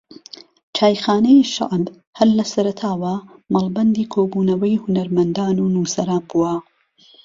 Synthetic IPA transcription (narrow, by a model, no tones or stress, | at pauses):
t͡ʃʰaːjxaːnɐjiʃa̰ʔn | hɐlːɐsɐɾɐt̪ʰaːwɐmɐlˠbɐnd̪iːkʰoːbuːnɐwɐjhʊnɐɾmɐnd̪aːnuːnuːsɐɾaːnbuwɐ